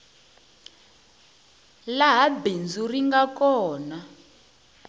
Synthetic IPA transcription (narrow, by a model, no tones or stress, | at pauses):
laɦabend͡zuriŋɡakɔːna